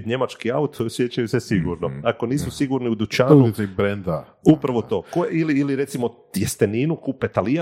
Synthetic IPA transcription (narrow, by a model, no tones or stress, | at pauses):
ɲe̞mat͡ʃkiaut̪oɾsjet͡ɕajusesiɡuɾno̞ako̞niːsusiɡuɾniud̪ut͡ʃanuiseibɾend̪a | upɾaʋot̪o̞ːkojeiliːliɾe̞t̪simo̞ | jest̪eniːnukupet̪alija